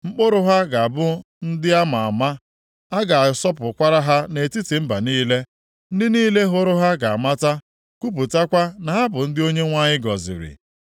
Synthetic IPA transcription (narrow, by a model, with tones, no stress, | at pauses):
ŋ͡m̩˦k͡po˦ɾʊ˦ɦa˦ɡa˨a˨bʊ˦ | n̩˦dɪ˦a˦ma˨a˨ma˦ | a˦ɡa˨a˨sɔ˦pʊ˨kʷa˦ɾa˦ɦa˦ne˨ti˦ti˨m̩˦ba˨niː˦le˦ | n̩˦dɪ˦niː˦le˦ɦʊ˦ɾʊ˦ɦa˦ɡa˨a˨ma˦ta˦ | ku˦p̬u˨ta˦kʷa˦na˨ɦa˦bʊ˨n̩˦dɪ˦o˦ɲe˦ŋʷa˦ɲɪ˦ɡɔ˨zɪ̰˨ɾɪ̰˨